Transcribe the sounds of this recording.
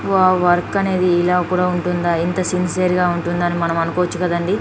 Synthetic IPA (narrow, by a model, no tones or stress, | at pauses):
ʋaːʋɐɾkɐne̞ːd̪iːlaːkuːɽaːuɳʈund̪aːint̪ɐsinsiɐɾɡaːuɳʈund̪aːnimɐnɐmɐnukɔːʋɐt͡ʃːukɐd̪ɐɳɖi